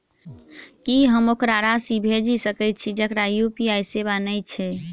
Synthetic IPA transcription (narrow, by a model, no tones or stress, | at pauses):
kiɦəmokɾaɾasibʱed͡ʒisəkɛjt̪̚t͡ʃʰid͡ʒəkɾajupiajseβanəjt͡ʃʰɛ